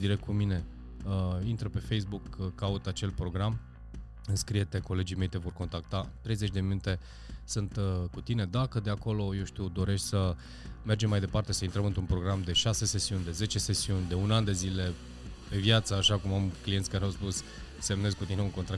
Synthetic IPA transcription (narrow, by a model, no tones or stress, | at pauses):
d̪iɾe̞k̚t̪̚kumine̞ | əint̪ɾəpe̞fe̞jsbukːaut̪at͡ʃe̞lpɾo̞ɡɾam | ɨnskɾijet̪e̞ko̞le̞d͡ʒime̞jt̪e̞vo̞rko̞nt̪ak̚t̪at̪ɾe̞jze̞t͡ʃʲd̪e̞minut̪e̞ | sɨnt̪kut̪ine̞d̪akəd̪e̞ako̞lo̞je̞wʃt̪iud̪o̞ɾe̞ʃt̪ʲsə | me̞rd͡ʒe̞mːajd̪e̞part̪e̞səint̪ɾəmɨnt̪ɾunpɾo̞ɡɾamd̪e̞ʃase̞se̞siunʲd̪e̞ze̞t͡ʃe̞se̞siunʲd̪e̞unand̪e̞zile̞ | pe̞vjat̪səaʃakumamklijet̪sʲkaɾeawspus | se̞mne̞zkut̪ine̞uŋko̞nt̪ɾa